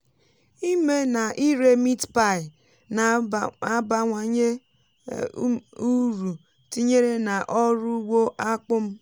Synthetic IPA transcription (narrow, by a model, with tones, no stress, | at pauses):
i˦me˦na˨ʔi˦ɾe˦mi˦tpa˦˨ɪ˨ | n | a˦ba˨ŋʷa˨ɲe˦ | u˦ɾu˨ | ti˦ɲe˦ɾe˦na˨ʔɔ˦ɾʊ˦wo˦ʔa˦k͡pʊ˦m̩˦